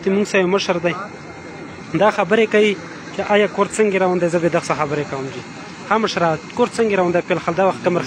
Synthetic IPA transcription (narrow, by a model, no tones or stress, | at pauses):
t̪emuŋɡsajoməʃəɾd̪aj | d̪ɑxabəɾekawi | t͡ʃeʔajɑkoɾt͡səŋɡeɾawund̪ajzəbed̪əxsaxabəɾekawəmd͡ʒi | xaməʃɾakoɾt͡səŋɡeɾawund̪ajpelxald̪ɑwaxt̪̚kəmɾ